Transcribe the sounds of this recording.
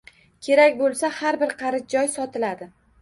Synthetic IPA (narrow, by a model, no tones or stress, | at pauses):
kʲʰe̞ɾakʲbolˠsahaɾbɪɾqʰɑɾɪz̚d͡ʒɒjsɒt̪ʰɪlad̪ɪ